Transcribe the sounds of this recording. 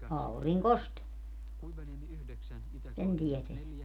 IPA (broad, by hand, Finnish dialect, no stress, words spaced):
ɑuriŋkost sen tieteæ